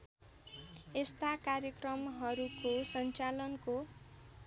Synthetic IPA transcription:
est̪akarjʌkrʌmɦʌɾukosʌnt͡salʌnko

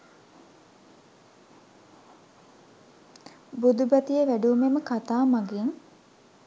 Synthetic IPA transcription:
bud̪ubɐt̪ijəʋæɖuːmeməkat̪aːmaɡiŋ

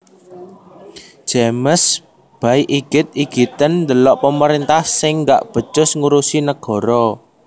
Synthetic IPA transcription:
ʒ̥eməs | b̥ajʔiɡ̥ɪt̪̚iɡ̥it̪ənd̪əlɔʔpəməɾint̪ahsɪŋːɡa̰ʔb̥ə̤t͡ʃʊsŋuɾusinəɡ̥ɔ̤ɾɔ

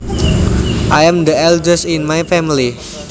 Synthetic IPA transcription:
ʔajãmd̪əɛldəsinmajfɛmili

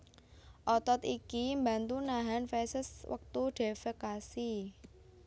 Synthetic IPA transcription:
ʔɔt̪ɔt̪ikimba̤nt̪unaɦanfɛsəswə̰k̚t̪uɖ̥e̤fəkasi

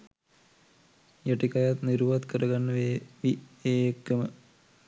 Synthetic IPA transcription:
jɐʈikɐjat̪niɾuʋɐt̪kəɾɐɡanːɐʋeːʋieːekːɐmə

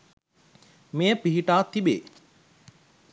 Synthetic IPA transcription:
mejəpiɦiʈaːt̪ibḛː

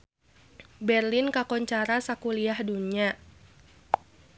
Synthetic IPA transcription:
bɛrlɪnkakɔɲt͡ʃaɾasakuliahdunia

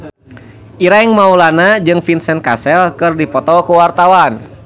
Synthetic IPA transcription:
ʔiɾaiŋmaulanad͡ʒɨŋfinsɛnkasɛlkɨrdipɔt̪ɔkuwart̪awan

